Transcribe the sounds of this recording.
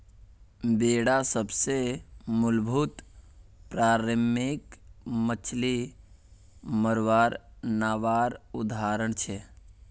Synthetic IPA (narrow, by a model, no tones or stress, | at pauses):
beːɽasəbsemʊlbʱut̪pɾaːɾəmɪkmət͡ʃʰli | məɾʋaːɾnaːʋaːɾʊd̪aːɾəɳt͡ʃʰe